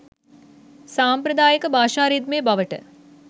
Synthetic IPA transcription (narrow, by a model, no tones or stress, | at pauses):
saːmpɾɐd̪aːjəkəbaːʃaːɾiːd̪meːbɐʋəʈə̰